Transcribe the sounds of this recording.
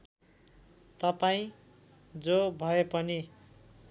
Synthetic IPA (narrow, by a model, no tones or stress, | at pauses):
t̪ʌpaĩ | d͡zobʱʌepʌni